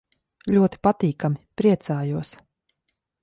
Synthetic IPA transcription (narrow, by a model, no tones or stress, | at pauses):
lʲuɔt̪i̥pat̪iːkamipɾiɛt̪saːjuɔs